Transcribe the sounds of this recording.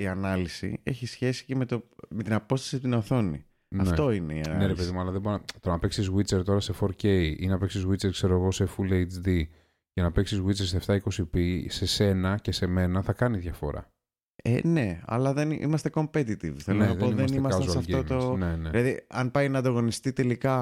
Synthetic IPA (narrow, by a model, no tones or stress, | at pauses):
iɐnɐlisḭe̞çisçe̞si̥ceme̞t̪ome̞t̪inɐpo̞st̪ɐ̥sit̪inɐθo̞nḭ | nɐfet̪o̞ineiɐneɾepe̞ðimuɐlɐðeboɾont̪oɾɐnɐpeksizɣwit͡seɾt̪o̞ɾɐse̞fo̞ɾce̞jinɐpeksizɣwit͡seɾkse̞ɾo̞ɣo̞se̞fulejt͡sði | cenɐpeksizɣwit͡seseft̪ɐiko̞sipise̞se̞nɐce̞se̞me̞nɐθɐkɐniðʝɐfo̞̰ɾɐ̰ | ḛne̞ɐ̰lɐðenʔḭmɐst̪e̞ko̞mpet̪it̪ivθelonenɐðeoiðesnimɐsɐzsɐfiomt̪oneneðilɐðḭɐnpɐjnɐːd̪ɐɣo̞nist̪it̪e̞likɐ